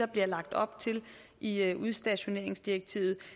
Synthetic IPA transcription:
ɑb̥liɐlɑ̈ɡ̥̚d̥ɒ̽b̥t͡sʰe̝lʔiøʔuðˠsd̥ɛɕo̝ne̝ɐ̰e̝ŋsd̥ieɡ̥̚t͡sʰḭːʊð̞̩ˠ

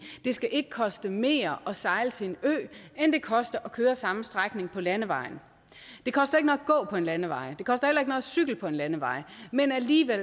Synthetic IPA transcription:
d̥e̝sɡ̥æʔe̝ɡ̥ə̥kʰɒ̽sd̥əme̝̰ːɐʔɒ̽sɑ̈ɪlət͡sʰe̝enø̰ːend̥e̝kʰɒ̽sd̥ɐʔɒ̽kʰøːɐsɑ̈m̩sd̥ʁaɡ̥ne̝ŋpʰɒ̽lænəʋɑ̈ɪn̩ | d̥e̝kʰɒ̽sd̥ɐe̝ɡ̥ənɒ̽ɡ̥ɔ̰̽ːpʰɒ̽e̝nlænəʋɑ̈ɪd̥e̝kʰɒ̽sd̥ɐhelɐe̝ɡ̥ənɔ̽ð̩ˠsyɡ̥l̩pʰɒ̽e̝nlænəʋɑ̈ɪ̰menæliːʋel̰

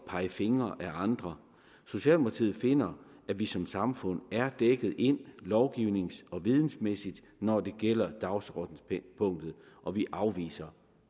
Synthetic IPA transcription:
pʰɑ̈ɪəfe̝ŋɐʔæɑ̈nd̥ʁɐ | so̝ɕiɛ̰ːlmopʰɑ̈t͡sʰḭːð̩ˠfe̝n̰ɐ | æʋisɒ̽msɑ̈mfɔ̽n̰æɐd̥eɡ̥ð̞̩ˠe̝n̰lɒʊɡ̥iʊne̝ŋsɒ̽ʋið̞ˠn̩smesid̥ | nɒd̥e̝ɡ̥el̰ɐd̥ɑ̈ʊsɔd̥n̩pʰɔ̽ŋ̰d̥ð̩ˠ | ʔɒ̽ʋiʔɑ̈ʊʋḭːsɐ

